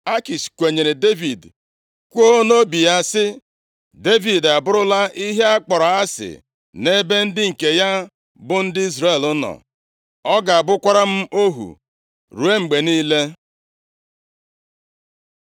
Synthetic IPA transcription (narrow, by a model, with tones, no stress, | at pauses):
a˦ki˨skʷe˨ɲe˨ɾe˨de˦vi˨d | kʷo˦no˦bi˨ja˦sɪ˦ | de˦vi˨da˨bʊ˦ɾʊ˦la˦ʔi˦ɦe˦a˦k͡pɔ˨ɾa˨a˦sɪ̰˨ | ne˦be˦n̩˦dɪ˦ŋ̩˨ke˨ja˦ | bʊ˦n̩˦dɪ˦i˦zɾe˦˨lʊ˦nɔ̰˨ | ɔ˦ɡa˨a˨bʊ˦kʷa˦ɾa˦m̩˦o˦ɦṵ˨ | ɾu˨e˦ŋ͡m̩˨ɡ͡be˨niː˦le˦